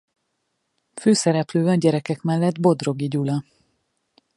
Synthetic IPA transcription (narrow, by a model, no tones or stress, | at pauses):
føːsɛɾɛpløːɛɟɛɾɛkɛkmɛlːɛd̪bo̞d̪ro̞ɡiɟulɒ